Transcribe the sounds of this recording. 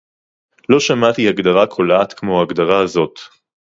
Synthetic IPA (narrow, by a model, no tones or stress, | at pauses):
lo̞ʃamat̪ihaɡd̪aʁakʰo̞laːt̪kmoaɡd̪aʁaːzo̞t̪